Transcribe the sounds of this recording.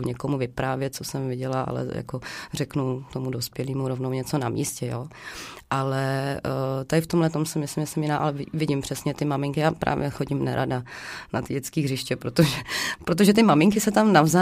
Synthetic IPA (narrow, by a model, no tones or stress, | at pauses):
ɲɛko̞muvɪpɾaːvjɛt̪̚t͡sosɛmvɪɟɛlaʔa̰lɛ̰ja̰korɛknut̪o̞mudospjɛliːmuɾovnowɲɛt͡so̞namḭːscɛjoːʔalɛ | t̪adɪft̪omɦlɛt̪omsɪmɪslɪmɛsɛmjɪnaːʔalɛvɪvɪɟɪmpr̝̥ɛsɲɛt̪ɪmamɪŋkɪjaːpɾʔa̰ːvjɛxo̞ɟɪmna̰ɾʔa̰danat̪ɪɟɛt͡skiːɦrɪʃcɛpɾot̪oʒɛpɾot̪̬oʒɛt̪ɪmamɪŋkɪsɛt̪amnavzaː